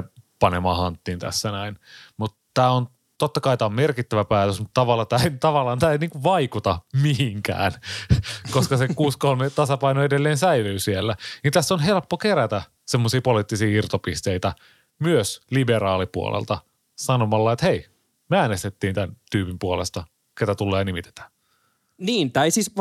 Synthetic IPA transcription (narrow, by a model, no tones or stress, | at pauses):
pɑnemɑːhɑnt̪ːiːnt̪æ̰sːænæinmut̪t̪æːon | t̪ot̪ːɑkɑit̪æːommerkit̪ːæʋæpæːt̪øsmut̪t̪ɑʋɑlːɑt̪æːt̪ɑʋɑlːˑɑːnt̪æːeniːŋkuʋʋɑikut̪ɑmiɦiŋkæ̰ːn | koskɑsekuːskolmet̪ɑsɑpɑinoedelːeːnsæilyːsielːænint̪æsːonɦe̞lpːokeɾæt̪æ | semːosiːpolit̪ːisiːirt̪opist̪eit̪æ | myøsliberɑːlipuo̰lʔḛlt̪ɑ | sɑnomɑlːɑet̪hei | meæːnest̪et̪ːiːnt̪ænt̪yːpimpuolḛst̪ɑ | ket̪æt̪ulːeːnimit̪e̥t̪æ̥ | niːnt̪æisis